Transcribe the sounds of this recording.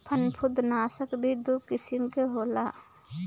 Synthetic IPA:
pʰənpʰʊd̪naːsəkbʱid̪ukɪsimkeɦoːlaː

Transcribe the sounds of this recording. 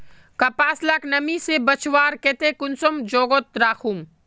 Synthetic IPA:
kɐpaːslaknɐmisebɐt͡ʃʰʋaːɾket̪ekʊnsomd͡ʒoːɡot̪̚ɾaːxʰum

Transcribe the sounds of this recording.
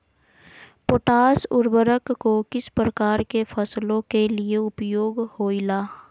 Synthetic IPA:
poːʈaːsʊɾbəɾəkːokɪspɾəkaːɾkefʰəslõkelieʊpjoːɡhoːilaː

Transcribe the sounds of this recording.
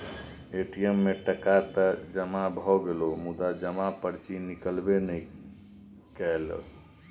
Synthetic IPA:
eʈiemːeʈəkat̪əd͡ʒəmabʱɔɡelomud̪ad͡ʒəmapəɾt͡ʃinikəlbenəj | kɛelə̰

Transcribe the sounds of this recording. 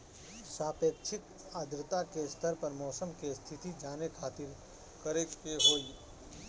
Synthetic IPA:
saːpeːkʃʰɪk̪ | aːd̪ɾɪt̪akest̪ʰəɾpɐɾmɔːsəmkest̪ʰɪt̪id͡ʒaːnekʰaːt̪ɪɾ | kɐɾet͡ʃkeɦoːi

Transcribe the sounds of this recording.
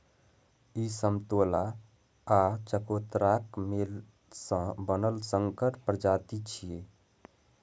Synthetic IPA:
isəmt̪olaː | t͡ʃəkot̪ɾakmel | sə̃bənəlsəŋkəʈpɾd͡ʒat̪it͡ʃʰie

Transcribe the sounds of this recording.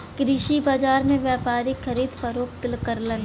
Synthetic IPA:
kɾiːʃibad͡ʒaːɾmẽʋjaːpaːɾixəɾiːd̪fɐɾoːk̚t̪ɪlkəɾlən

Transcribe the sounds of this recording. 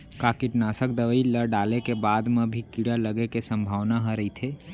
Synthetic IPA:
kaːkɪʈnaːsəkd̪əʋəiləɾɖaːlekebaːd̪mẽbʱikiɽaləɡekesə̃mbʱaːʋnaɦəɾəit̪ʰeː

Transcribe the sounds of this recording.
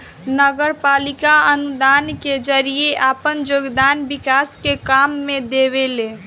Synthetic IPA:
nəɡəɾpalikaənud̪anked͡ʒəɾijeʔapənd͡ʒoɡd̪anbikaskekamːed̪eβele

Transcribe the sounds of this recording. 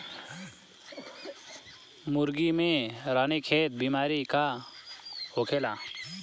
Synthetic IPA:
muɾɡimẽɾanikʰeːt̪̚bimaɾika | hokʰela

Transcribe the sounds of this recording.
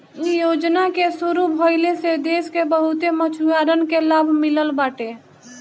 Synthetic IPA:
ijoːd͡ʒnakesuɾubʱoɪlesed̪eːskebəɦut̪emət͡ʃʰujaɾənkelaːbʱmɪləlbaːʈe

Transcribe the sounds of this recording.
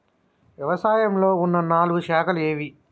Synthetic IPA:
ʋjɐʋɐsaːjɐmlo̞ːunːɐnaːluɡuʃaːkʰɐleːʋi

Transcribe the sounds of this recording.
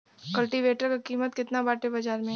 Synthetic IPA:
kɐlʈiʋeːʈəɾkakiːmət̪̚kɪt̪nabaːʈebɐd͡ʒaːɾmẽ

